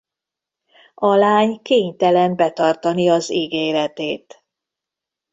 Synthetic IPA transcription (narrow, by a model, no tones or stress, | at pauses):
ɒlaːɲkeːɲt̪ɛlɛmbɛt̪ɒrt̪ɒniɒziɡeːɾɛt̪eːt̪